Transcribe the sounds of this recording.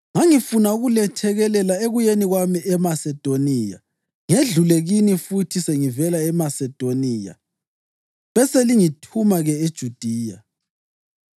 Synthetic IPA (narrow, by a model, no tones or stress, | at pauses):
ŋaŋifunauɣulɛtʰɛɣɛlɛlaeɣujeniɣwamiɛmasɛd̥ʱonija̰ | ŋeɮuleɣinifutʰiseŋivɛlaɛmasɛd̥ʱoniːja̰ | βɛseliŋitʰumaɣɛed̥ʒ̥ʱud̥ʱiːja